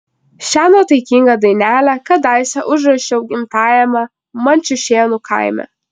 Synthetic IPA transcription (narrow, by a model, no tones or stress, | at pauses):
ʃʲæːnoːt̪ɐɪkʲiŋɡɐd̪ɐɪnʲæːlʲækɐd̪ɐɪsʲɛʔʊʒɾɐʃʲɛʊɡʲɪmt̪ɑːjɛmɐ | mɐnʲt͡ʃʲʊʃʲeːnukʰɐ̰ɪmʲɛ̰